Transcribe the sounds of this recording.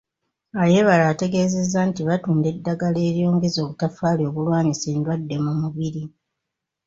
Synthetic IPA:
aje̞βalaːte̞ɡe̞ːze̞zːantiβatuːnde̞dːaɡale̞ːɾjo̞ːŋɡe̞zo̞ːβutafaːlo̞ːβulwaːɲise̞ːndwadːe̞mumuβiɾi

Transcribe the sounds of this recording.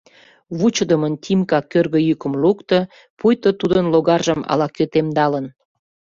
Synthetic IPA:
βut͡ɕəd̪əmənt̪ʲimkɑkørɣə̆jykə̆mlukt̪ə̆ | pujt̪ət̪ud̪ənloɣɑrʒəmɑ̰lɑkøt̪emd̪ɑlən

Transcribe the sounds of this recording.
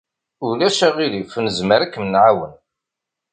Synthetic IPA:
ʊlæʃæʁilifənəzməɾækːmənʕawən

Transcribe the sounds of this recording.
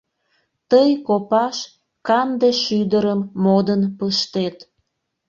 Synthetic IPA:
t̪əjkopɑʃ | kɑnd̪eʃyd̪əɾəmːod̪ənpəʃt̪et̪

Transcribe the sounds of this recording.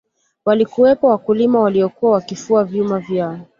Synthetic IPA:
walikuwɛpɔwakulimawaliɔkuawakifuavjumavjaɔ

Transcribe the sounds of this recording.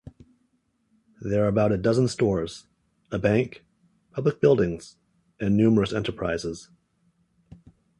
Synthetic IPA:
ðə˞ːəbaʊɾɨdʌz̃n̩stɔɹz̥ | əbæ̃ŋk | pʰʌblək̚b̥ɪlˠdɪ̃ŋz̥ | ɨ̃nːʉmə˞ɨsɛ̃ntə˞pʰɹ̥aɪzɪz̥

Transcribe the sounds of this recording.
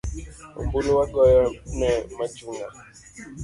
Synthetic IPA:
o̰mbulowaɡɔjɔnɛmat͡ʃuŋɡa

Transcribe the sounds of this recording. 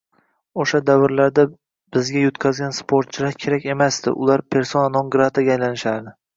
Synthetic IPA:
oʃad̪avɪɾlaɾd̪a | b̥ɪzɡʲajʊt̪kʲʰazɡʲanspʰoɾt̪̚t͡ʃʰɪlaɾkʲʰe̞ɾakʲe̞masd̪ɪ̰ʔʊ̰lˠaɾpʰe̞ɾsonanɒŋɡɾat̪ʰaɡʲaːjlanɪʃaɾd̪ɪ

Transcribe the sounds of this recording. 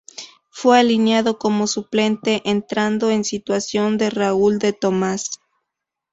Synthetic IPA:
fwe̞alinjaðo̞ko̞mo̞suple̞nt̪e̞ʔent̪ɾand̪oensit̪wasjo̞nd̪e̞rauld̪e̞t̪o̞mas

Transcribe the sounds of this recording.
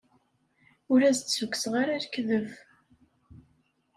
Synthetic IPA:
ʊɾæzt͡sːsukːsʁaɾaɾkðəv

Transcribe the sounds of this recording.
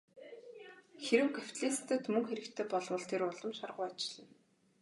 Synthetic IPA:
xeɾɘ̆wkaw̥ʲt̪ɮeːst̪ʰə̆t̪mɵŋxeɾɘ̆kt̪ʰeːpɔɮwə̆ɮt̪ʰeɾʊɮɞ̆mʃarʁʊjat͡ɕɪ̆ɮə̆n

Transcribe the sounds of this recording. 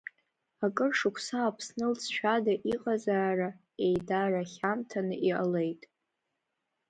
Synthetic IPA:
akʼɨrʂɨkʷʰsaːpʰsnɨlt͡sʰʃʷᶣadaʔiqʼazaːra | e̞jdaraχʲamtʰanɨʔiale̞jtʼ

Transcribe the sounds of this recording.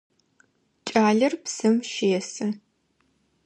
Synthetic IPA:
t͡ʃʼaːɮɐrpsɨmʃeːɛsɐ

